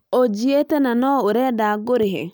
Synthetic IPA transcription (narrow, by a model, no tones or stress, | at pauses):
od͡ʒietenanɔʊɾedaɡoɾiɦḛ